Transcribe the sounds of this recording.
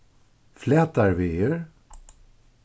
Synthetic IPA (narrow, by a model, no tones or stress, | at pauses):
flɛt̪aɾvɪeɾ